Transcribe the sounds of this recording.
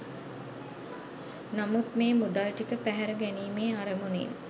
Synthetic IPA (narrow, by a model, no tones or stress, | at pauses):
namut̪meːmud̪alʈikəpæɦæɾəɡæniːmeːaɾəmunḭn